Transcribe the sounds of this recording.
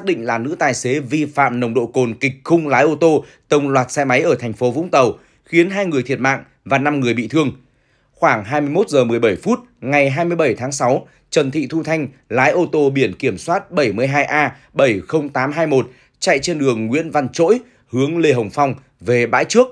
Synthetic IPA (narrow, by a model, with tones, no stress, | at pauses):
saː˦˥k̚ɗḭ̈˧˨ŋ̟laː˨˩nɨ̰˧˥t̪aː˨˩jse˨˦vi˧fa̰ː˧˨mnə˨˩wŋ͡mɗo̰˧˨ko˨˩nkï˨˩k̟̚xʊ˧ŋ͡mlaː˨˦jʔo˧t̪o˧ | t̪ə˨˩wŋ͡mlwaː˨˩t̚sɛ˧jma˨˦jʔəː˧˩t̪ʰɛ˨˩jŋ̟fo˨˦vʊ̰˧˥ŋ͡mt̪ə˨˩w | xi˨˦ənɦaː˧jŋɨ˨˩əjt̪ʰi˨˩ət̚ma̰ː˧˨ŋ | vaː˨˩na˧mŋɨ˨˩əjɓḭ˧˨t̪ʰɨ˧əŋ | xwaː˧˩ŋɦaː˧jmɨ˧əjmo˦˥t̚zəː˨˩mɨ˨˩əjɓə˧˩jfu˦˥t̚ŋa˨˩jɦaː˧jmɨ˧əjɓə˧˩jt̪ʰaː˨˦ŋsa˨˦w | t͡ɕə˨˩nt̪ʰḭ˧˨t̪ʰu˧t̪ʰa˧jŋ̟laː˨˦jʔo˧t̪o˧ɓi˧˩ənki˧˩əmswaː˦˥t̚ɓə˧˩jmɨ˧˩əjɦaː˧jʔaː˧ | ɓə˧˩jxə˧wŋ͡mt̪aː˨˦mɦaː˧jmo˨˩t̚ | t͡ɕa̰˧˨jt͡ɕe˧nɗɨ˨˩əŋːwḭ˧˥ənva˧nt͡ɕo̰˧˥j | hɨ˨˦əŋle˧ɦə˨˩wŋ͡mfa˧wŋ͡m | ve˨˩ɓa̰ː˧˥jt͡ɕɨ˦˥ək̚